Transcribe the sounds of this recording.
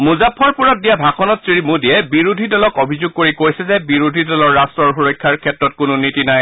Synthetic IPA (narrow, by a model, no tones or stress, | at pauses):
muzapʰːɔɹpuɹat̚dijabʱakʰɔnɔtsɹimudijɛbiɹudʱidɔlɔkobʱizʊɡ̚koɹikojsɛzɛbiɹudʱidɔlɔɹːastɹɔɹxuɹɔjkʰːaɹkʰɛtɹɔt̚kʊnʊnitinaj